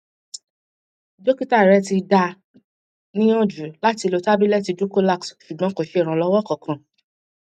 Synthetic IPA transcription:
d͡ʒo˦ki˦ta˦˨i˨ɾɛ˨˦ti˧da˧ | nĩ˦ɔ̃˦˨d͡ʒu˨˦la˦ti˧lo˧ta˦bi˦lɛ˦ti˧du˦ko˦la˦˨ksʃu˨ɡ͡bɔ̃˨˦ko˨ʃe˧˦i˨ɾ̃ã˧˨lɔ˧˦wɔ˦kɔ˨kʰã˨

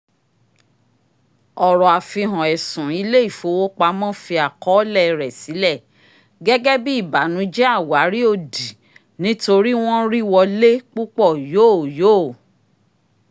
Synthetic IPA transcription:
ɔ˨ɾɔ˨a˨fi˧ɦɔ̃˨ɛ˨sũ˨i˨˧le˦i˦˨fo˨˧wo˦k͡pa˧˦mɔ̃˦fi˧a˨kɔ˨˦lɛ˦˨˧ɾɛ˨si˨˦lɛ˦˨ | ɡɛ˦ɡɛ˦bi˦i˦˨ba˨˦nũ˨˦d͡ʒɛ˦a˦˨wa˨˦ɾi˦o˦˨di˨ | nĩ˨˦to˧ɾi˦w̃ɔ̃˦ɾi˦wɔ˧le˦k͡pu˦k͡pɔ˦˨joː˦˨joː˦˨

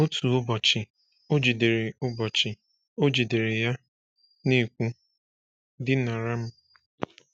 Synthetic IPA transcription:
o˦tu˨ʊ˦bɔ˨t͡ʃɪ˨ | o˦d͡ʒi˨de˨ɾe˨ʊ˦bɔ˨t͡ʃɪ˨ | o˦d͡ʒi˨de˨ɾe˨ja˦ | ni˦˨kʷu˦ | dɪ˦na˨ɾa˦m̩˦

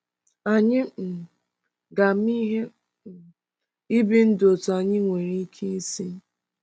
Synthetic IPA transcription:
a˨ɲɪ˦m̩˨ | ɡa˨m˦i˦ɦe˦˨ | i˦bi˦n̩˦do˨ta˨ɲɪ˦ŋʷe˨ɾi˦kʰi˦si˦

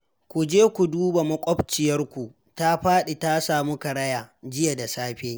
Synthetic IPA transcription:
kʷu˨d͡ʒeː˦kʷu˨duː˦ba˨mɐ˦kʷʼɔ˦bt͡ʃɪ˨jɐ˦rkʷu˨ | ta˦ɸaː˦ɗe˨ta˦saː˨mu˦kɐ˨ɽɐ˦jaː˨d͡ʒɪ˦ja˨da˨saː˦ɸe˦

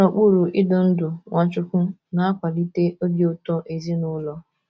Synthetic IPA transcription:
o˨k͡pu˦˨ɾu˨ʔɪ˦dʊ˨n̩˦dʊ˨ŋʷa˨˦t͡ʃʊ˦kʷʊ˦na˦a˦kʷa˨li˦te˦o˦be˦o˦tɔ˦ʔe˨zi˦nʊ˦lɔ˦

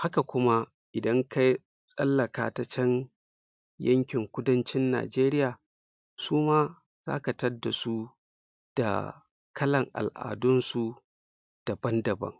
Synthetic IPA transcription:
ha˦ka˨kʷʊ˦ma˦ | ʔɪ˨dɐ˦ŋkʰa˦j | sʼɐ̰˦lːɐ˨ka̰ː˦ta˦t͡ʃɐ˦n | jɐ˦ŋkʲɪ˨ŋkʷʊ˦dɐ˦nt͡ʃɪ˦nːa̰ː˨d͡ʒeː˦ɾɪ˦jaː˨ | suː˦maː˦ | z̥a̰ː˦ka˨tɐ˦da˨su˦ | d̥a̰˨ | kʰɐ˦lɐ˨ŋʔa̰˨lʔa̰ː˨dʊ˦nsu˨ | d̥ɐ˨bɐ˦ndɐ˨bɐ̰˦ŋ

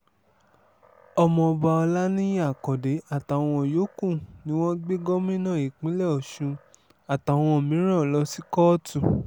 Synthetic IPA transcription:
ɔ˧mɔ̃˧ɔ˧ba˧ɔ˧la˦nĩ˦ja˦a˨kɔ˨de˨˦a˦˨ta˨w̃ɔ̃˧˨jo˨˦kũ˦˨nĩ˦w̃ɔ̃˦ɡ͡be˦ɡɔ˦mĩ˦nã˦˨i˨k͡pĩ˨˦lɛ˦ɔ˨ʃũ˧ | a˨ta˨w̃ɔ̃˧o˨mĩ˨˦ɾ̃ã˦˨lɔ˧˦si˦kɔ˦tũ˦˨

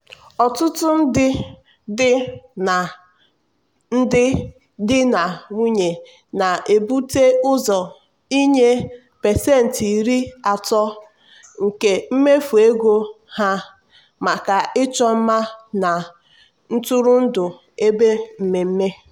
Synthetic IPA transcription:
ɔ˨tʊ˦tʊ˦n̩˦dɪ˦ | dɪ˦na˨ | n̩˦dɪ˦ | dɪ˦na˨ŋʷi˦ɲe˨ | na˨ʔe˨bu˦te˦ʊ˦zɔ˨ | i˦ɲe˦ | pe˨se˦˨n̩˨ti˨ɾi˦a˨tɔ˦ | ŋ̩˨ke˨m̩˦me˦fu˨e˦ɡo˦ | ha˦ | ma˨ka˨ɪ˦t͡ʃɔ˦m̩˦ma˦na˨ | n̩˦tʊ˦ɾʊ˦n̩˦dʊ˨ | e˦be˦m̩˨me˨m̩˦me˦

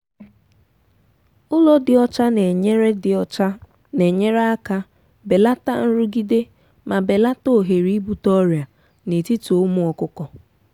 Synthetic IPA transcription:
ʊ˦lɔ˦dɪ˨ɔ˦t͡ʃa˦n˨e˦ɾe˦˨˦ | ne˨ɲe˦ɾe˦a˦ka˦ | be˨la˦ta̰˦n̩˦ɾʊ˦ɡi˦de˦ | ma˨be˨la˦to˦˨ɦe˨ɾi˦bu˨tɔ˦ɾja˨ | ne˨ti˦tu˨o˨˦mu˦ɔ˨kʊ˦kɔ˨

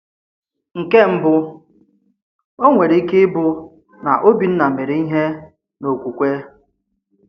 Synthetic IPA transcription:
ŋ̩˨ke˦m̩˦bʊ˦ | o˦ŋʷe˨ɾe˨i˦ke˦bʊ˦ | na˨ʔo˦bi˨n̩˦na˨me˨ɾe˨i˦ɦe˦ | no˨kʷu˨kʷe˦

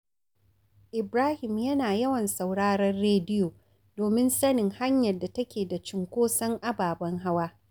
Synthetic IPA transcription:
ʔɪ˨bɾaː˦hɪ˨mjɐ˦naː˨jɐ˦wɐ˨nsa˨wɽaː˦ɽɐ˦rːeː˦dɪ˦joː˨ | doː˨mɪ˦nsɐ˦nɪ˨ŋha˦ɲjɐ˨rda˨tɐ˦kʲeː˨da˨t͡ʃɪ˨ŋkʷoː˦sɐ˦ŋʔa˦baː˨bɐ˦ŋɦa˦waː˦

